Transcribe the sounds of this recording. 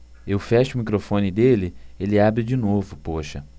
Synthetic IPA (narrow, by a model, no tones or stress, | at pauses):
ewfɛʃɪumikɾofõnɪd̪elɪelɪabɾɪd͡ʒinovʊpoʃɐ̰